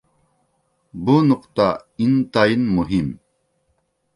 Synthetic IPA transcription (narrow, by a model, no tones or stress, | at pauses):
bunuqt̪a | int̪ainmuɦim